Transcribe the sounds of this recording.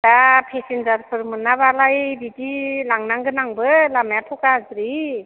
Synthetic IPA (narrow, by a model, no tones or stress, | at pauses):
dapʰesinzaɾpʰɯɾmɯnːaβalajbidilaŋnaŋɡɯnaŋbɯlamjatʰɔkazɾi